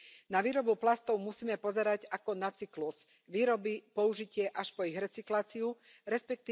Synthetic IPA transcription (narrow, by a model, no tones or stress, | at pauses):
naʋiːɾɔbuplast̪ɔʊmusiːmɛpɔzɛɾaɟakɔnat͡sikluz̥ | ʋiːɾɔbipɔuʒicɪɛʔaʃpɔiɣɾɛt͡siklaːt͡siu | ɾɛspɛk̚t̪i